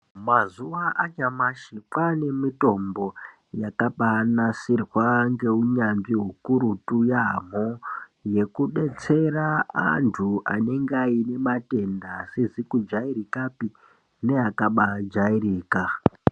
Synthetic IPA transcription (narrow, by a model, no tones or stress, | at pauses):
mazuʋaʔaɲamaʃikwane̞mito̞mbo̞ | jakaɓanasirwaŋɡe̞uɲanʐiɦukuɾutujamoje̞kuɗe̞t͡se̞raa̰ntʰuʔa̰ne̞ŋɡaine̞mate̞ndasezikud͡ʒaiɾikapi | ne̞akaɓad͡ʒairiːka